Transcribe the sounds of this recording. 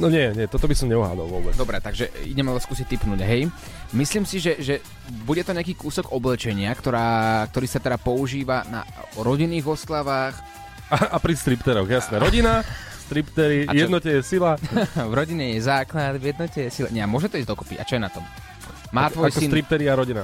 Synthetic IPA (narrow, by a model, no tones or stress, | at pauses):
nɔɲɛɲɛt̪ɔt̪ɔbisɔmɲɛɔɦla̰d̪ɔ̰lʋʊɔbɛd̪ɔbɾɛt̪aɡʒɛḭɟɛmalɛskuːsit̪ipnuːɟɦɛj | misliːmsiʒɛʒɛ | buɟɛt̪ɔɲɛakiːkuːsɔɡɔblɛt͡ʃɛɲɪakt̪ɔɾaːk̚t̪ɔɾiːsat̪ɛdapɔuʒiːʋana̰ɾɔɟinːiːɣɔst̪laʋaːx | aapɾist̪ɾipt̪ɛɾɔɣjasnɛɾɔɟina | st̪ɾipt̪ɛɾiajɛd̪nɔcɛjɛsilavɾɔɟiɲɛjɛzaːklad̪vjɛd̪nɔcɛjɛsilɛ̰ɲɛamʊɔʒɛt̪ɔizd̪ɔkɔ̥pḭa̰t͡ʃɔjɛnat̪ɔm | maːt̪ʋɔjsinɾip̚t̪ɛɾiaɾɔɟina